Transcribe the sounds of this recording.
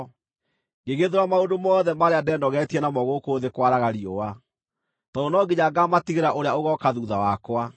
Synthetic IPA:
ɡeɣeðoɾamaondomɔːðɛmaɾeadɛndɔɣɛtiɛnamɔɣokoːðekwaɾaɣaɾiɔwa | tɔonɔɡeɲaɡamatiɣeɾaʔoɾeaoɣɔkaðuːðawakwa

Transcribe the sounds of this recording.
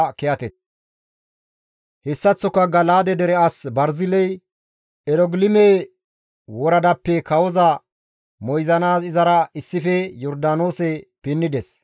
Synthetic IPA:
kɛɐt̪ɛt̪̚ | hɛsːɐt͡sːɔkːɐɡɐlaːd̪ɛd̪ɛɾɛɐsbɐɾzɪlɛj | ɛɾɔɡlɪmeː | wɔɾɐd̪ɐpːɛkɐwɔzɐ | mɔjzɐnaːsɪzɐɾɐɪsːɪfɛjɔɾd̪aːnoːsɛpɪnːɪd̪ɛs

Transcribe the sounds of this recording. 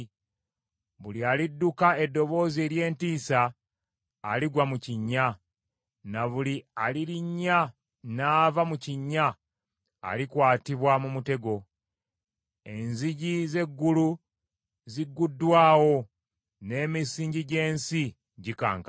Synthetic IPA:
βulialidːukae̞dːo̞βo̞ːzie̞ɾje̞ːntiːsaː | liɡwamuciɲːa | naβulialiɾiɲːa | naːvamuciɲːa̰ː | likwaːtiβwamumute̞ɡo̞ | e̞nziɟize̞ɡːulu | ziɡːudːwaːwo̞ | ne̞ːmisiːɲɟiɟe̞ːnsi | ɟika̰ːŋka

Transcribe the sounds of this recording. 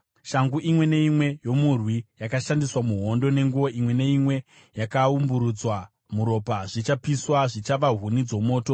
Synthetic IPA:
ʃaŋɡuʔimwe̞ne̞imwe̞jo̞murwijakaʃandiswamuɦo̞ndo̞ne̞ŋɡuʋo̞ʔimwe̞ne̞imwe̞ | jakaumbuɾud͡zwa | muɾo̞paʐit͡ʃapiswaʐit͡ʃaʋaɦunid͡zo̞mo̞ːto̞

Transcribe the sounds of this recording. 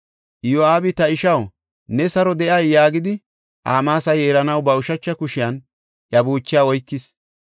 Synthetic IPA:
ʔjaːbɪt̪ɐɪʃɐw | nɛsɐɾɔd̪ɛʔɐjːaːɡɪd̪ɪ | ʔa̰ːmaːsɐjeːɾɐnɐwbɐʊʃɐt͡ʃːɐkʊʃɪjan | ʔjɐbuːt͡ʃːɪjaːwɔjkːɪs

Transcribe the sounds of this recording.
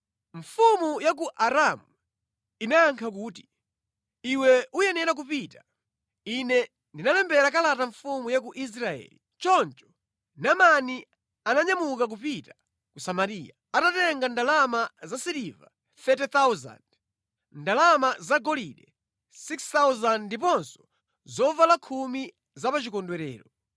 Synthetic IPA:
ɱfumujak̬uʔaɾamu | inaːŋkʰak̬uːti̥ | iwɛujɛnɛɾak̬upitḁ | inɛ | ndinalɛmbɛɾakalataɱfumujak̬uʔis̬ɾaɛ̰ːli | t͡ʃɔnt͡ʃɔ̥ | namani | anaɲamukak̬upitḁ | kusamaɾija | atatɛŋɡandalamazasiɾiva̰ | θɛtɛt̪awza̰nd | ndalamazaɡɔliɗɛ | sikst̪awzandip̬ɔnsɔ̥ | zɔvalakʰumi | zapat͡ʃikɔndwɛɾɛ̰ːɾɔ

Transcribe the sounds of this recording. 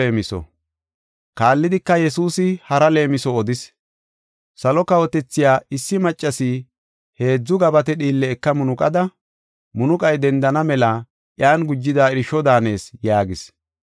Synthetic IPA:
eːmɪsɔ̰ | kaːlːɪd̪ɪkːɐjɛsuːsɪhɐɾɐle̞ːmɪsɔːd̪ɪs | sɐlɔkɐwɔt̪ɛt͡sːɪjaːɪsːɪmɐt͡ʃʼːɐsɪ | he̞ːd͡zːʊɡɐbɐt̪ɛɗiːlːɛːkːɐmʊnʊkʼɐd̪ɐ | mʊnʊkʼɐjd̪ɛnd̪ɐnɐmɛla | ʔjaːnɡʊd͡ʒːɪd̪aːɪɾɪʃɔd̪aːne̞ːsjaːɡɪs

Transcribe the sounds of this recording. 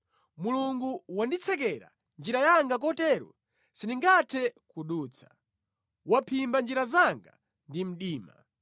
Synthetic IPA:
muluŋɡuwandit͡sʰɛkɛɾa̰ | nd͡ʒiɾajaŋɡak̬ɔtɛɾɔ̰ | siniŋɡatʰɛkuɗuːt͡sʰḁ | wapʰimband͡ʒiɾazaŋɡa | ndim̩ɗiːma̰

